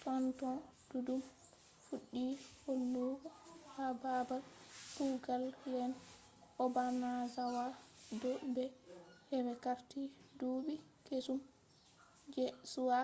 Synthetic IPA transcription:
fɔntɔd̥udum | fuɗːiholːukɔhababalbuɡalːɛn | ʔɔbanazawadɔbɛhɛbɛkaɾtidubikesum | d͡ʒɛsuwa

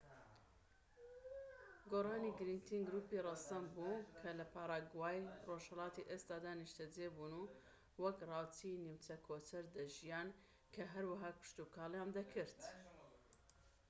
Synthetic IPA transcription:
ɡoːrɑːniɡɨɾint̪ʰiŋɡɨɾuːpirɑsɐmbuːkʰɐlɐpʰaːɾˤɑːɡwaːjroʃhɐlɑːt̪iʔest̪aːd̪aːniʃt̪ʰɛd͡zeːbuːnu | wɐkrɑːwt̪ʰiniwt͡sɐkʰoːt̪ʰɐɾd̪ɐʒijaːn | kʰɐɦɐɾwɐɦaːpʰɨ̥ʃt̪ukʰɑːljaːnd̪ɐkʰɨɾt̪

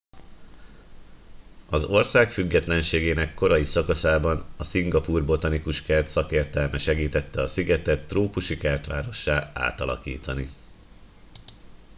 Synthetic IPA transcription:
ɒzo̞rsaːkfyɡːɛt̪lɛnʃeːɡeːnɛkːo̞ɾɒjisɒkɒsaːbɒnɒsiŋɡɒpuːrbo̞t̪ɒnikuʃkɛrt̪sɒkeːrt̪ɛlmɛʃɛɡiːt̪ɛt̪ːɛɒsiɡɛt̪ɛt̪ːroːpuʃikɛrt̪ʋaːɾo̞ʃːaːa̰ːt̪ɒlɒ̰kiːt̪ɒni

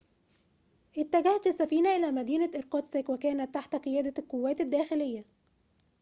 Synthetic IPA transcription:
ʔɪt̪ːæɡæh̪fisːæfiːnæʔɪlæːmæd̪iːnæʔeɾqɑt̪sekwækæːnæt̪ːaħt̪æqejæːd̪ækowːæːt̪ɪd̪ːæːxɪlɪjːæ

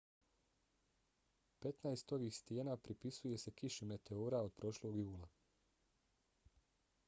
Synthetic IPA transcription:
pe̞t̪naest̪o̞ʋiːxst̪jeːnapɾipisuje̞se̞kiʃime̞t̪e̞oːɾao̞d̪̚pɾo̞ʃlo̞ːɡjuːlˠa

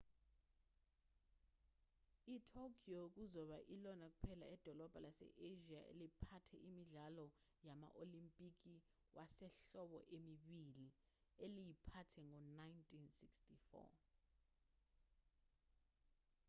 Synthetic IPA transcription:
itʰokʰʼiok̬uzɔɓaʔilɔnak̬u̥pʰɛla̰ɛd̥ʱɔlɔb̥ʱalasɛ̰ʔeʒiaʔḛlipʰatʰɛ̰ʔimiɮalɔ | jama̰ʔolimpʼik̬ʼi | wʔasɛɬɔɓɔ̰ʔemiɓili | elijipʰatʰɛŋɔnajntʰʼinsikstifɔ̰

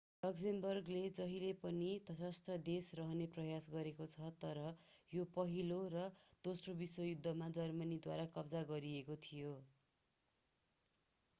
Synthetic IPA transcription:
lʌksembʌrɡled͡zʌɦilepʌnit̪ʌsʌst̪ʌd̪esrʌɦʌneprʌjasɡʌɾekot͡sʰʌt̪ʌɾʌ | jopʌɦiloɾʌd̪̥osrobiswʌjud̪ʱːʌmad͡zʌrmʌnid̪waɾakʌbd͡zaɡʌɾiekot̪ʰijo

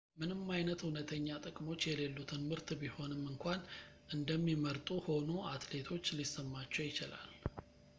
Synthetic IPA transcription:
mɨnɨmːajnət̪hunət̪ʰəɲːat̪ʼəkʼmo̞t͡ʃːjɛle̞lːut̪ʰɨnmɨɾt̪ʰbiho̞nɨmːɨŋkʷʰan | ʔɨnd̪əmːiməɾt̪ʼuho̞nuʔat̪le̞t̪ʰo̞t͡ʃːlisːəmːat͡ʃːɛwjɪt͡ʃɪla̰l

